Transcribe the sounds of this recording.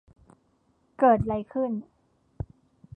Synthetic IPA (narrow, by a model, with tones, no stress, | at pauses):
kɤː˨˩t̪̚ɾa˧jkʰɯ˥˩n